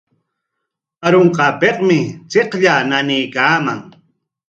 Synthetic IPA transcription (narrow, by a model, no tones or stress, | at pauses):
aɾoɴqɑpeqmɪt͡seqʎananɪjkaːmaŋ